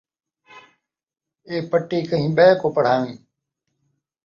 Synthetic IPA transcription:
eːpəʈːiːkəɦĩːɓɛːkoːpəɽ̤aːjũː

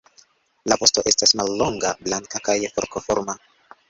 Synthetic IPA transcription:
lapo̞sto̞ʔe̞stasmalːo̞ŋɡablaŋkakajfoɾkofoɾma

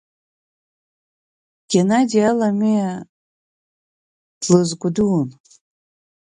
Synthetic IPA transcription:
ɡ̥ʲenadialamia | d̥lɨzɡʷʊdun

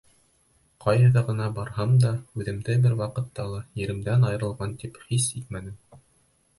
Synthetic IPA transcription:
qʰɑjɦɤ̆ðɑʁɤ̆nɑbɑɾhɑmd̪ɑʉðɘ̆md̪ɘbɘɾwɑqɤ̆t̪ːɑlˠɑjɘ̆ɾɘ̆md̪ænɑjɤ̆ɾɤ̆lˠʁɑnt̪iphisik̪̚mænɘm

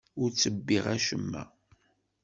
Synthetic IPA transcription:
ʊɾt͡sːəbːiʁæʃəmːæ̰

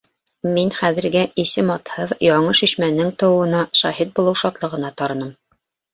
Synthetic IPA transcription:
minχæðɘ̆ɾɡɘisɘmɒt̪hɤðjɑɴɤʃiʃmænɘŋt̪ɤ̆wɤ̆nɑʃɑhit̪̚bulˠɤwʃɒt̪lˠɤ̆ʁɤ̆nɑt̪ɑɾɤ̆nɤm

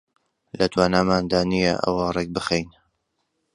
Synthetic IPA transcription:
lɐt̪waːnaːmaːnd̪aːnijɐ̰ʔə̰wɐrɛk̚bɨxejn

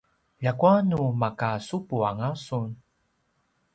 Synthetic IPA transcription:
jakuanumakasupuaŋasun

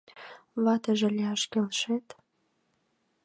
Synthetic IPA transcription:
βɑt̪əʒĕlʲeɑʃkelʃet̪

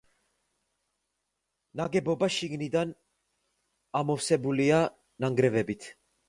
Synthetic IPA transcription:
naɡɛbɔbaʃiɡnid̪an | amɔfsɛbulia | naŋɡɾɛvɛbit̪ʰ

